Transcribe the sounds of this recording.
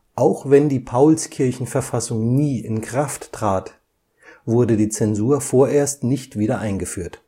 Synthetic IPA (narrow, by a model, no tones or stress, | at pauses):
ʔaʊxvɛndiːpʰaʊlskʰɪɐçn̩fɛɐfasʊŋniːɪ̰nkʁ̥aftːʁ̥aːt | vʊɐdədiːt͡sɛnzuːɐfoːɐʔeːɐstnɪçtv̥iːɾɐʔaɪnɡəfyːɐt